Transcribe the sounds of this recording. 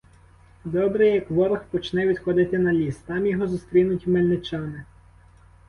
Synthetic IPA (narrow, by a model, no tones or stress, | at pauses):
d̪ɔbɾɛjɐkʋɔɾɐxpɔt͡ʃnɛʋʲid̪xɔd̪ɪt̪ɪnɐlʲist̪ɑmjɔɦɔzʊst̪ɾʲinʊtʲmelʲnɪt͡ʃɑnɪ